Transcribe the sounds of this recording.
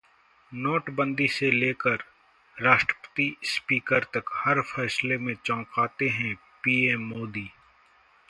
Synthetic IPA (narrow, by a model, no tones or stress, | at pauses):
noːʈbə̃nd̪iseleːkəɾ | ɾaːʃʈɾə̥pə̥t̪ispiːkəɾt̪ɐkhɐɾfʰɛːslemẽt͡ʃɔ̃ːkaːt̪eɦɛ̃ | piːeːmːoːd̪iː